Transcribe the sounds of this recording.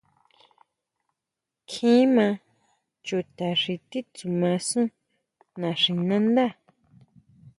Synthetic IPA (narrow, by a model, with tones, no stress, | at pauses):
kʰĩː˦mã˧ | t͡ʃu˧˨t̪a˨ʂi˧t̪i˦t͡su˨mã˧sũ˦ | nã˨ʂĩ˨nã˦nd̪a˦˨